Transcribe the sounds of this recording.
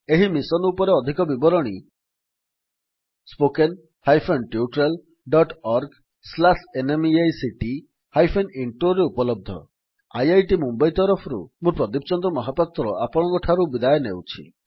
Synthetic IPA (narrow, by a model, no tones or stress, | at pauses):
eɦimisɔnupɔɾeɔd̪ʱikɔbibɔɾɔɽ̃i | spoken | hajpʰenʈjuʈɾel | ɖɔʈɔɾɡ | slasenemiajsiʈi | hajpʰeniɳʈoɾeupɔlɔb̚d̪ʱɔ̰ | a̰jajʈimumbajt̪ɔɾɔpʰɔɾṵmũpɾɔd̪ipt͡ʃɔnd̪ɾɔmɔɦapɔt̪ɾɔapɔɽ̃ɔkɔʈʰaɾubid̪ajɔnewt͡ʃʰḭ